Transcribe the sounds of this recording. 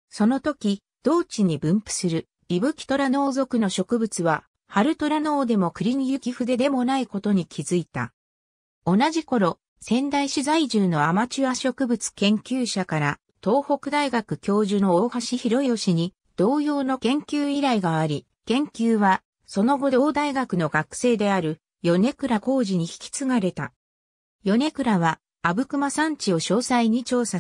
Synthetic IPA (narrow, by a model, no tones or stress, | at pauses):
so̞no̞t̪o̞kʲi | d̪̥o̞ːt͡ɕiɲ̟ibɯ̟̃mpɯ̟̥sɨɾɯ̟ | ibɯ̟kʲi̥t̪o̞ɾano̞ːzo̞kɯ̟no̞ɕo̞kɯ̟bɯ̟t͡sɨβa | haɾɯ̟t̪o̞ɾano̞ːd̪e̞mo̞kɯ̟ɾʲiɲijɯ̟kʲiɸɯ̟d̪e̞d̪e̞mo̞naiko̞t̪o̞ɲ̟ikʲʰizɨit̪a̰ | o̞naʑiko̞ɾo̞ | sẽ̞nd̪aiɕizaiʑɨːno̞amat͡ɕiβaɕo̞kɯ̟bɯt͡sɨ̥kẽ̞ŋkʲɨːɕakaɾa | t̪o̞ːho̞kɯ̟d̪aiɡakɯ̟kʲo̞ːʑɨno̞oːhaɕiçiɾo̞io̞ɕiɲ̟i | d̪̥o̞ːjo̞ːno̞kẽ̞ŋkʲɨːiɾaiɡaaɾʲi | kẽ̞ŋkʲɨːβa | so̞no̞ɡo̞d̪o̞ːd̪aiɡakɯ̟no̞ɡakɯ̥se̞ːd̪e̞aɾɯ̟ | jo̞ne̞kɯ̟ɾako̞ːʑiɲ̟içi̥kʲi̥t͡sɨŋaɾe̞t̪a | jo̞ne̞kɯ̟ɾaβa | abɯ̟kɯ̟masãɲ̟t͡ɕio̞ɕo̞ːsaiɲ̟it͡ɕo̞ːsa